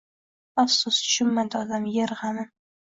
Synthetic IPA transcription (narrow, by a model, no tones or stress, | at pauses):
afsʊsʃʊmːad̪ɪɒd̪amjeɾʁanɪ